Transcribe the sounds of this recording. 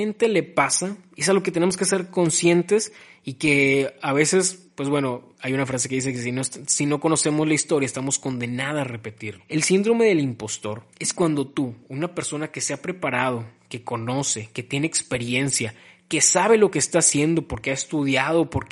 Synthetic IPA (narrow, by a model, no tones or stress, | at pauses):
ent̪e̞le̞pasaesalo̞ke̞t̪ene̞mo̞ske̞se̞ɾko̞nsje̞nt̪e̞s | ike̞aβe̞se̞spwe̞zβwe̞no̞ | ajunafɾas̬ekeisekesinosino̞ko̞no̞se̞mozlaist̪o̞ɾjaest̪amo̞sko̞nd̪e̞nað̞are̞pe̞t̪iɾe̞lsind̪ɾo̞me̞ðelimpo̞st̪o̞ɾe̞skwand̪o̞t̪uunape̞ɾso̞nake̞seapɾe̞paɾað̞o̞ke̞ko̞no̞se̞ke̞t̪je̞neːkspe̞ɾje̞nsjake̞saβ̞e̞lo̞keːst̪aːsje̞nd̪o̞po̞ɾkeaest̪uðjað̞o̞po̞ɾk